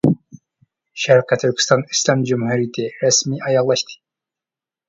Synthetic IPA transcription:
ʃæɾkæt̪ʰyɾkʰʲst̪ɑnislɑmd͡ʒumhuɾijt̪ʰeɾæsmiɑjɑʁlˠɑʃt̪ʰɨ̥

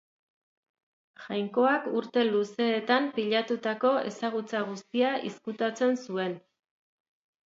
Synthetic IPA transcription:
ʝajŋko̞akuɾt̪e̞luse̞ːt̪ampiʎat̪ut̪ako̞e̞̰saɣ̞ut͡saɣ̞ust̪iaʔḭskut̪at͡se̞nsue̞n

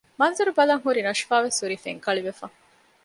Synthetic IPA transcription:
mɐnzuɾubɐlɐŋɦuɾinɐʃfaːʋesuɾifḛŋkɐɭiʋefɐ

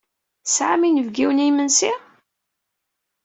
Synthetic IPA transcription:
sʕaminəvɡiwənimənsi

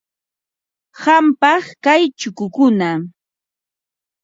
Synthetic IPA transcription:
ɢampɑχkajt͡ʃʊkʊkʊna

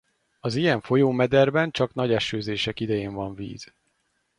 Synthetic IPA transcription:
ɒzijɛɱfo̞joːmɛd̪ɛrbɛnt͡ʃɒknɒɟɛʃøːzeːʃɛkid̪ɛjeːɱvɒɱvḭːz̥

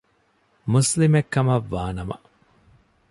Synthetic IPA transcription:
muslimekːɐmɐʋːaːnɐmɐ̰

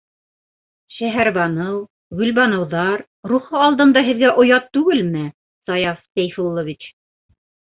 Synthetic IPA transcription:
ʃæɦæɾβɑnɤw | ɡɵ̆lβɑnɤ̆wðɑɾ | ɾuχɤɑlˠd̪ɤ̆nd̪ɑɦɘ̆ðɡæʔŏjɑt̪ːʉɡɘlmɘ | sɑjɑfsæjfulˠovit͡ɕ

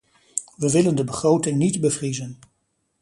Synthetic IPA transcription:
ʋəʋɪləndəbəχrowtɪŋnitbəvrizən

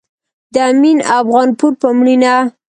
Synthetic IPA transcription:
d̪əaminafɣɑnpuɾpəmɳina

